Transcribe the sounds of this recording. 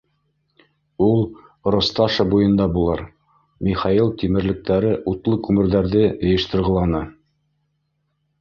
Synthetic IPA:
ulˠ | ɾost̪ɑʃɑbujɤ̆nd̪ɑbulˠɤɾ | mʲiχɑilˠt̪imɘ̆ɾlɘ̆k̚t̪æɾɘʔut̪lˠɤkʉmɘ̆ɾðæɾðɘɤ̆jɤ̆ʃt̪ɤ̆ɾʁɤ̆lˠɑnɤ

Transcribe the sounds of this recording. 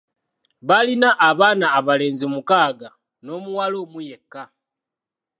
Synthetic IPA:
βalinaʔːβaːnaːβale̞ːnzimukaːɡa | no̞ːmuwalo̞ːmuje̞kːa

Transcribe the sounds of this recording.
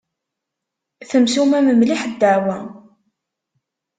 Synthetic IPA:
θəmsumæməmliħəd̪ːəʕwæ

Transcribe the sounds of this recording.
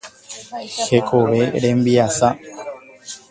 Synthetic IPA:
he̞kʰoʋe̞ɾẽmbiasa

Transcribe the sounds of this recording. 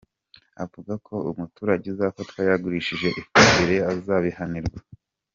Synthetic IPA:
a̰vuɡakʰo̞umutuːɾaɟezakotwaːjaɡuɾiʃiʒe̞ʔifimbeɾe̞azaːβihaniɾɡwa

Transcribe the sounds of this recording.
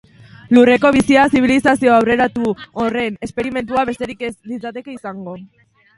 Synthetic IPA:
lure̞ko̞β̞isiasiβ̞ilisasio̞awre̞ɾat̪uore̞ne̞spe̞ɾime̞nt̪̬uaβe̞st̪e̞ɾikelit͡sat̪e̞keisaŋɡo̞

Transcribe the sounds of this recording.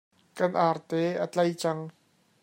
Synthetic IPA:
kɐnʔaːrt̪ɛːʔat͡ɬɐjt͡sɐŋ

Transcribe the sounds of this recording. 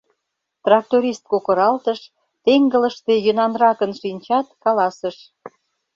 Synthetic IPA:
t̪rɑk̚t̪oɾʲist̪̚kokə̆ɾɑlt̪əʃ | t̪eŋɡə̆ləʃt̪e̽jø̆nɑnrɑkənʃinʲt͡ɕɑt̪̚kɑlɑsəʃ

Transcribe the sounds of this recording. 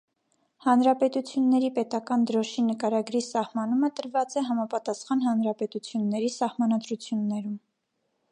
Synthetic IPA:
hɑnɾɑpɛt̪ut͡sʰjunːɛɾipɛt̪ɑkɑnd̪əɾɔʃinəkɑɾɑɡɾisɑhmɑnumət̪əɾvɑt͡sɛɦɑmɑpɑt̪ɑsχɑnɦɑnɾɑpɛt̪ut͡sʰjunːɛɾisɑhmɑnɑd̪ɾut͡sʰjunːɛɾum

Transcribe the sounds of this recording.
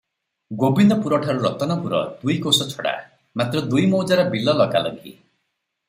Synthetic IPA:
ɡobind̪ɔpuɾɔʈʰaɾuɾɔt̪ɔnɔpuɾɔ̰d̪ujkosɔt͡ʃʰɔɽa̰ | mat̪ɾɔd̪ujmowd͡ʒaɾɔbilɔlɔkalɔniɦḭ

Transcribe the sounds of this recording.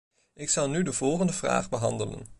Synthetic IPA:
ʔɪksɑlˠnydəvɔlˠχəndəvra̰ːχbəɦɑndələ̰n

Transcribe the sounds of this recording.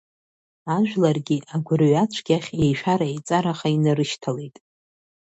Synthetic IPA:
aʒᶣʷlarɡʲiʔaɡʷʊrɥat͡ɕʷʰɡʲaχʲe̞jʃᶣaɾaejt͡sʼaɾaχainaɾɨʃtʰalejtʼ

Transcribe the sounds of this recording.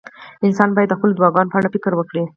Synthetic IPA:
ɪnsɑnbɑjad̪ːəxpəld̪wɑɡɑnopəaɽafɪkɾwəkɽi

